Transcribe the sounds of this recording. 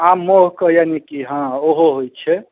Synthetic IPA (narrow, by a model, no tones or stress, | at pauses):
amːoɦkəjanikiɦãoɦoɦojt͡ʃʰɛ